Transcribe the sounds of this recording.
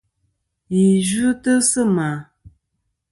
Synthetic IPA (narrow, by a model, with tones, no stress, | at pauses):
ji˨ʒu˦tɨ˦sɨ˦ma˨